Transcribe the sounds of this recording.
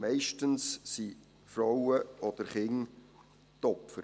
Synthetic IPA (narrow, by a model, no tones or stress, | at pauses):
mɛɪʃtənssi | fɾɔwəɔd̥əɾχɪŋ | tɔpfəɾ